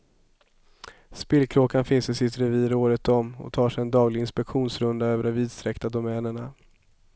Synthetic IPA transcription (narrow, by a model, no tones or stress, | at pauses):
spɪːlkʰɾoːkanfɪnsɪsɪt̪ɾɛviːɾoːɾət̪ɔmɔ̰t̪ʰɑːʂɛjɛnd̪ɑːɡlɪɡɪnspɛkɧuːnsɾɵnd̪aøːvəɖɔmviːd̪st̪ɾɛkt̪ad̪ʊmɛːnəɳa